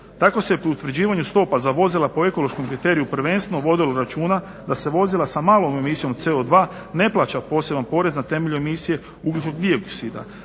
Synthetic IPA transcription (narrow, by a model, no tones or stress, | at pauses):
t̪ako̞sepiut̪ʋɾ̩d͡ʑiːʋaɲust̪o̞pazaʋo̞zilˠapoe̞ko̞lˠo̞ʃko̞mkɾit̪e̞ːɾijupɾ̩ʋe̞nst̪ʋenoʋo̞d̪iloɾat͡ʃuːna | d̪ase̞ʋo̞zilˠasamaːlˠo̞me̞misijo̞mt̪se̞od̪ʋaː | ne̞plˠat͡ɕapo̞ːse̞bampo̞ɾe̞znat̪e̞me̞ʎue̞misije̞ | uklʲut͡ʃnoɡd̪ioksid̪a̰